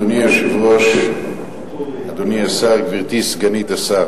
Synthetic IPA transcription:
oniaʃivloʃ | ad̪oniasaʁviʁt̪isɡanit̪asa

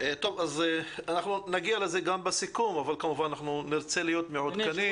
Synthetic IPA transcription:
et̪o̞vazeanaχnunaɡialeze̞ɡambesikumavalkamuvananaχnuniʁt͡se̞lijo̞t̪meʕod̪kani

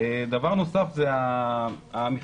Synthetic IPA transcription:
ed̪avaʁno̞safzea | amiχ

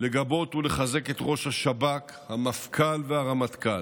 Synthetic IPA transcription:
le̞ɡabo̞tule̞χaze̞ke̞t̪ʁo̞ʃhaʃabak | hamafkʰalveaʁamat̪kal

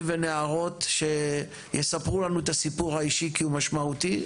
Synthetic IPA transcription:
veneaʁo̞t̪ʃe̞ | jesapʁulanuet̪asipuʁhaiʃikiumaʃmaut̪i

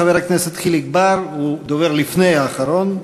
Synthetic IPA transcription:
avehakneset̪ːχiliɡbaɾud̪oveʁlifnejaːχaɾo̞n

